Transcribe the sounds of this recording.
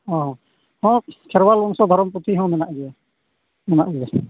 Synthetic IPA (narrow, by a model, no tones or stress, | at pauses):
ɔ̃ɦɔ̃ | hɔ̃kʰɛɾwalbɔŋsɔd̪ʱɔɾɔmput̪ʰiɦɔ̃mɛnaʔɡɛjɛ | mɛnaʔɡɛɛ